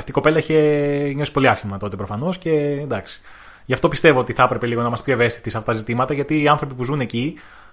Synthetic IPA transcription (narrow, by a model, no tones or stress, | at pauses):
ɐft̪iko̞pe̞lɐiçeɲo̞si̥po̞liɐsçimɐt̪o̞t̪e̞pɾo̞fɐno̞sce̞nd̪ɐksi̥ | ʝɐft̪o̞pist̪e̞vo̞ot̪iθɐpɾepe̞liɣo̞nɐmɐspjoeve̞st̪i̥t̪iseɐft̪ɐt̪ɐzit̪imɐt̪ɐʝɐt̪iːɐnθɾo̞pipuzune̞ci